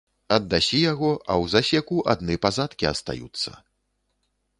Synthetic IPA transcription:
ɐd̪ːasʲijaɣɔɐ̰wzasʲɛkuʔad̪nɨpazat̪kʲiɐ̰st̪a̰jṵt̪sːɐ̰

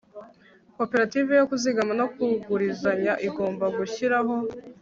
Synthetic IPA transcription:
ko̞pe̞ɾatiːvejokuziɡamano̞kuɡuɾizaɲaʔiɡo̞ːmbaɡuçiɾaɦo̞

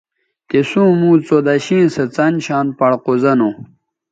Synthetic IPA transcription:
t̪esũːmũːt͡sod̪aɕĩːnsɐt͡sɐnɕaːnpɐɽqozɐnu

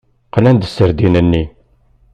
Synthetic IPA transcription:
qlænd̪əsːəɾd̪inənːi

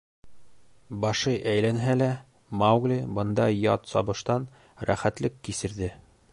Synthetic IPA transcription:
bɒʃɤjʔæjlænɦælæ | mawɡlʲibɤ̆nd̪ɑjɒt̪sɒbɤ̆ʃt̪ɑn | ɾæ̰χæt̪lɘkːisɘ̆ɾðɘ

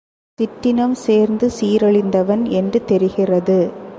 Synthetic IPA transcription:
t̪ɪʈːɪnɐmseːɾnd̪ɯsiːɾɐɭɪnd̪ɐʋɐnɛndrɯt̪ɛɾɯɣɪrɐðɯ

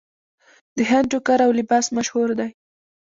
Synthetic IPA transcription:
d̪̥əɦɪnʈʊkaɾawlɪbɑsmaʃhuɾd̪aj

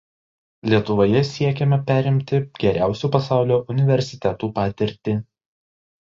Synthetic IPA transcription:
lʲiɛt̪ʊʋoːjɛsʲiɛkʲɛmʲɛpʲæːɾʲɪmʲt̪ʲɪɡʲɛɾʲæˑʊsʲuːpɐsɑˑʊlʲoːʔʊnʲɪʋʲɛɾʲsʲɪt̪ʲɛt̪uːpɑːt̪ʲɪɾʲt̪ʲɪ

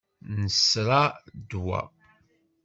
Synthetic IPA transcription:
nəsɾad̪wa̰

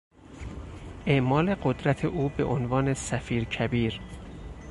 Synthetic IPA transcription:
ʔeʔmɒːle̞ɢod̪ɾæt̪ʰeʔuːbe̞̰ʔonvɒːne̞sæfiːɾcʰæbiːɾ

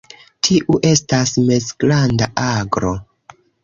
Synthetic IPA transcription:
tʰiʔuʔe̞stasmesɡlandaʔaɡɾo̞

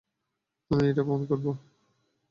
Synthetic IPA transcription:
ameeʈabonkoɾbo

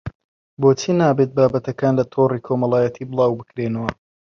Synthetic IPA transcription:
boːt͡ʃʰinaːbet̪̚baːbɐt̪ɐkaːnlɐt̪ʰoriːkʰoːmɐlˠaːjɐt̪ʰiːbɨlˠaːwbɨkɾeːnɐwɐ

